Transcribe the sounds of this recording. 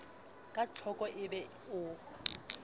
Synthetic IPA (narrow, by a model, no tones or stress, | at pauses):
kʼat͡ɬʰɔkʼɔʔɪbɛ | ʊ